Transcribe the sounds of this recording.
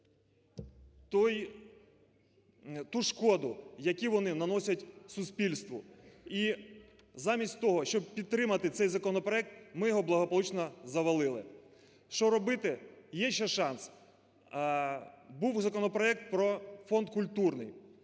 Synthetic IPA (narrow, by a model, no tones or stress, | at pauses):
t̪ɔj | t̪uʃkɔd̪ʊjɐkʲiʋɔnɪnɐnɔsʲɐtʲsʊspʲilʲst̪ʋʊi | zɑmʲisʲtʲt̪ɔɦɔʃt͡ʃɔb̚pʲid̪̚t̪ːɾɪmɐt̪ɪt̪sɛjzɐkɔnɔpɾɔɛk̚t̪mɪjɔɦɔblˠɐɦɔpɔlˠut͡ʃnɔzɐʋɐlˠɪlˠɪ̰ | ʃt͡ʃɔɾɔbɪt̪ɪjɛʃɛʃɑns | buwzɐkɔnɔpɾɔɛk̚t̪̚pɾɔfɔnd̪kʊlʲt̪urnɪ̰j